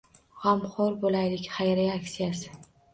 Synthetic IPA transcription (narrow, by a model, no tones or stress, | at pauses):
hamχoɾbolajlɪkʲχajɾejakʲsijasɪ̥